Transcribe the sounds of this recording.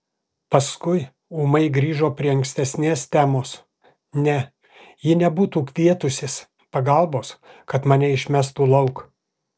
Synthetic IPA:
pɐskʊɪ | uːmɐɪɡɾʲiːʒoːpʲɾʲiɛɐŋksʲt̪ʲɛsʲnʲeːst̪ʲæːmoːs | nʲɛ | jɪnʲɛbuːt̪uːkʋʲiɛt̪ʊsʲes | pɐɡɐlˠboːskɐt̪mɐːnʲɛɪʃʲmʲæst̪uːlˠɐʊk

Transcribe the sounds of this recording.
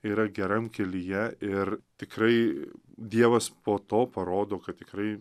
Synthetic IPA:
iːɾɐɡʲɛɾɐmkʲɛlʲɪjɛɪrt̪ʲɪkɾɐɪd̪ʲiɛʋɐspoːt̪oːpɐɾoːd̪oːkɐt̪̚t̪ʲɪkɾɐɪ

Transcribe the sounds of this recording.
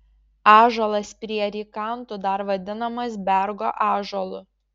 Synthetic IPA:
ɑːʒolˠɐspʲɾʲiɛɾʲiːkɐˑnt̪ʊd̪ɐɾʋɐd̪ʲɪnɐmɐsbʲɛɾɡoːʔɑːʒolˠʊ

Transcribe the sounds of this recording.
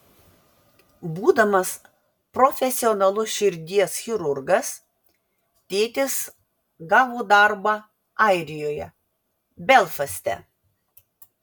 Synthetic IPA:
buːd̪ɐmɐs | pɾɔfʲɛsʲɪɔnɐlˠʊʃʲɪɾʲd̪ʲiɛsxʲɪɾʊɾɡɐs | t̪ʲeːt̪ʲɪs | ɡɑːʋoːd̪ɑɾbɑ | ɑɪɾʲɪjoːjɛ̰ | bʲɛlˠfɐsʲt̪ʲɛ̰

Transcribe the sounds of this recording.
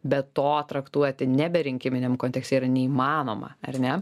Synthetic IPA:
bʲɛt̪ːoːt̪ɾɐkt̪uɔt̪ʲɪnʲɛbʲɛɾʲɪŋʲkʲɪmʲɪnʲɛmkoːnt̪ʲɛkst̪ʲɛiɾɐnʲɛiːmɑːno̰ːmɐ̰ɐ̰rnʲɛ

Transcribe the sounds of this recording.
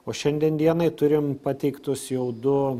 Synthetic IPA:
oːʃʲɛnʲd̪ʲɛnʲd̪ʲiɛnɐɪt̪ʊɾʲɪmpɑt̪ʲɛɪkt̪ʊsjɛʊd̪ʊ

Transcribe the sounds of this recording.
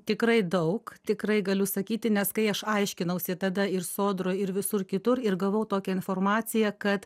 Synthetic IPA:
t̪ʲɪkɾɐɪd̪ɐʊkt̪ʲɪkɾɐɪɡɐlʲʊsɐkʲiːt̪ʲɪnʲɛskɐɪɐʃɐɪʃʲkʲɪnɐʊsʲɪt̪ɐd̪ɐɪrsoːd̪ɾoːɪɾʋʲɪsʊrkʲɪt̪ʊɾɪrɡɐʋoʊt̪oːkʲɛɪnfoːrmɑːt͡s̪ʲɪjɛkɐt̪

